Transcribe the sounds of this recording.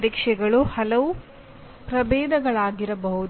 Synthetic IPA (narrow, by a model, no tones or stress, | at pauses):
ɾikʂɛɡɐɭuhɐlɐʋu | pɾɐbɛːd̪ɐɡɐɭaːɡiɾɐbɐɦud̪